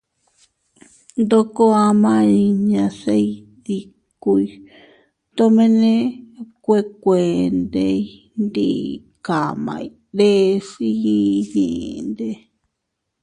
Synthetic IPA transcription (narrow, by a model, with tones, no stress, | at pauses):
nd̪o˧ko˦a˧mã˦i˧ɲã˧se˦i˦ | ði˧ | ku˧i˧ | t̪o˧mẽ˧nẽ˦kʷe˦˧kʷe˨nd̪e˧i˦ | nd̪ḭ˦˧ | ka˨mã̰˧i˧ɾe˦˧ʂi˦i˦ɲḛ̃˨˧nd̪e˧